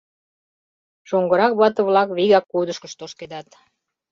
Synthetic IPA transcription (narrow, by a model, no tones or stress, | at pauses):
ʃoŋɡəɾɑk̚βɑt̪ə̆βlɑkβiɣɑkːud̪əʃkəʃt̪oʃked̪ɑt̪